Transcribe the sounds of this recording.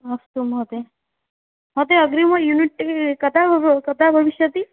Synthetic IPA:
ɐst̪umɦot̪e | mot̪eɐɡɾimɐjuniʈːkɐt̪ʰakɐt̪ʰabʱɐʋiʃjɐt̪i

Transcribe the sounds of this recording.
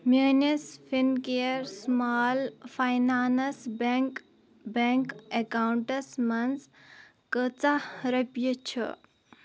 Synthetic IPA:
mʲeːnɐsfinkejɾsmaːlfʰajnaːnɐsbk | beŋkekaːwuɳʈɐsmɐns | kət͡saɾɐpjət͡ʃʰḭ

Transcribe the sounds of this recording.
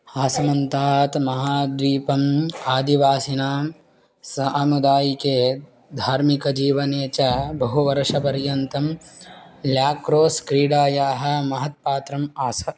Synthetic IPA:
aːsɐmɐnt̪aːt̪mɐɦaːd̪ʋiːpɐmaːd̪iʋaːsinaːm | sɐʔɐmud̪aːjikeː | d̪ʱaːɾmikɐd͡ʒiːʋɐneːt͡ʃɐbɐɦuʋɐɾʂɐpɐɾjɐnt̪ɐm | ljaːkɾoːskɾiːɽaːjaːɦɐ̆mɐɦɐt̪̚paːt̪ɾɐmaːsɐ

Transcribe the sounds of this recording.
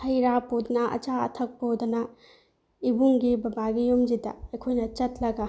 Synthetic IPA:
hɐjɾapodɐnɐʔɐ̰t͡ʃaɐ̰tʰɐk̚podɐnɐ | ibuŋɡibɐbaɡijomd͡ʒidɐ̰ɐkʰojnɐt͡ʃɐtlɐɡa

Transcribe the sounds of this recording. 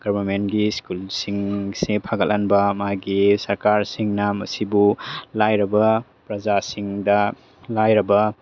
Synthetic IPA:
ɡ̥ɐɾbɐɾmenɡiskulsiŋsepʰaɡɐlanbɐmaɡisɐɾkaɾsiŋnɐmɐ̰sibulajɾɐbɐ | pɾɐd͡ʒasiŋdɐ | lajɾɐbɐ

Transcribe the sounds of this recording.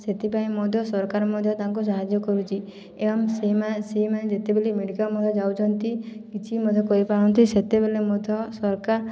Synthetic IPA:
set̪ipaĩmɔd̪ʱjɔsɔɾkaɾɔmɔd̪ʱjɔt̪aŋkus̬aɦad͡ʒjɔkɔɾut͡ʃʰi | eɔmseaseɦimanẽd͡ʒet̪ebelimeɽikamɔd̪ʱɔd͡ʒawd͡ʒɔnt̪ikit͡ʃʰimɔd̪ʱjɔkɔipaɽ̃ɔnt̪iset̪ebelemɔd̪ʱjɔsɔɾkaɾ

